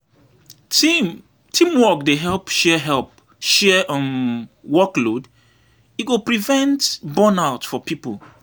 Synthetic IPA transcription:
tʰĩmwɔk̚deɦɛlˠpʃɛɦɛlˠp̚ | ʃɛʔɔ̃nwɔklod | iɡopɹivɛ̃ntbɔ̃naʊtfɔpʰipəl

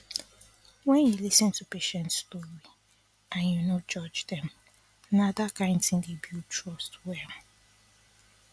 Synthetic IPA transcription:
wɛ̃njulisɪ̃ntupeʃɛ̃ntstoɹi | ãnjunod͡ʒɔd͡ʒdɛ̃m | nadakãɪ̃ntĩndibjutʰɹɔstwɛ

